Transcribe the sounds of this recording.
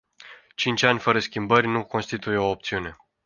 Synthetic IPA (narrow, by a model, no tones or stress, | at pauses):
t͡ʃint͡ʃʲanʲfəɾəskʲimbərʲnuko̞nst̪it̪ujeoːp̚t̪siune̞